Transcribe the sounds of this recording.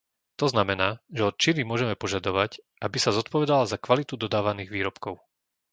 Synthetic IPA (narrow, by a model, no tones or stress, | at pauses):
t̪ɔznamɛnaːʒɛɔt̪̚t͡ʃinimʊɔʒɛmɛpɔʒad̪ɔʋacʔabisazɔt̪pɔʋɛd̪alazakʋalit̪ud̪ɔd̪aːʋaniːɣʋiːɾɔpkɔʊ